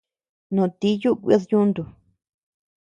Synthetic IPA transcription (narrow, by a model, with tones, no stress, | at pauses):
nõ˧˨t̪i˦ju˦ʔkʷḭ˧˦ðɲũ˦nd̪u˨